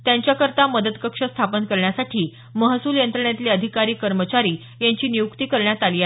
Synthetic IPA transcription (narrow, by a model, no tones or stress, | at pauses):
t̪jãɲt͡ɕjakəɾt̪aməd̪ət̪kəkʂəst̪ʰapənkəɾɳjasaʈʰiː | məɦsuːljənt̪ɾəɳjat̪liːəd̪ʱikaɾiːkəɾmət͡ɕaɾiː | jãɲt͡ɕiːnijukt̪iːkəɾɳjat̪alia